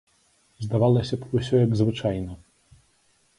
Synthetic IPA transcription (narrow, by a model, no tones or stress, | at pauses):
zd̪avalˠɐsʲɐpusʲɔjɐɡzvɨt͡ʂajnɐ